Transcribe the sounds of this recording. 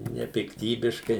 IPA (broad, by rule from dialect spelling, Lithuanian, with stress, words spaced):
nʲɛpʲɪkˈtʲiːbʲɪʃkɐɪ